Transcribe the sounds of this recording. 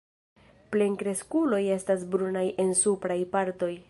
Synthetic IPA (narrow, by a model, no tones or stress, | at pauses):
ple̞ŋkɾe̞skulo̞je̞stas̬bɾunajʔe̞nsupɾajpaɾto̞j